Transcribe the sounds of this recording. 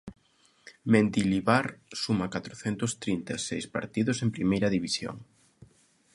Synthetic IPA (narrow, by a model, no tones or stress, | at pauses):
mend̪iliβaɾsumakat̪ɾoθent̪ʊst̪ɾint̪asejspa̰ɾt̪iðʊsempɾimejɾɐðiβisjo̰ŋ